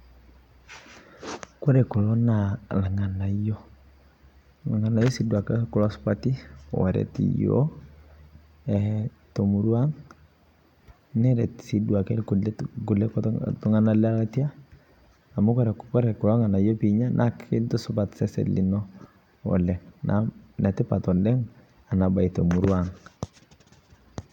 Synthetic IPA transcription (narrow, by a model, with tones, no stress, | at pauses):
kɔ˦ɾɛ˨ku˨lɔ˦na˨la˨ŋa˨na˨jɔ˦ | la˨ŋa˨na˨jɔ˦si˦dwa˨kɛku˦lɔ˦spatḭ˦˨wa̰˨ɾɛ̰˨tḭjo̰˦ | ɛ˨to˨mu˨ɾwa˦ŋ | nɛ˦ɾɛ˨tsi˨dwa˨kɛkulɛku˨lɛktu˦ŋa˦na˦lɛ˦a˦lati˦a˦ | a˨mu˦kɔ˦ɾɛ˨kkɔ˦ɾɛ˨kːʊ˨lɔ˦ŋa˨na˨jɔ˦piɲa˦nʔa˦ki˦ntu˦sʊpa˨tsɛ˦sɛ̰˨li˨nɔ˦ | ɔ̰˨lɛ˨ŋna̰na˨tɪ˦pa˨tɔ˨ldɛ˦ŋ | a˨na˨ba˨i˨to˨muɾuaŋ